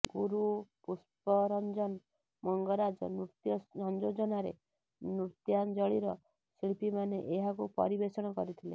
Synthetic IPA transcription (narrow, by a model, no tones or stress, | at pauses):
ɡuɾupuspɔɾɔnd͡ʒɔn | mɔŋɡɔɾad͡ʒɔ̰nut̪jɔɔnd͡ʒod͡ʒɔnaɾḛ | nuɾt̪jand͡ʒɔɭiɾɔ | siɭpimaneʔeɦakupɔ̰ɾibesɔɽ̃ɔkɔ̰ɾit̪ʰilḛ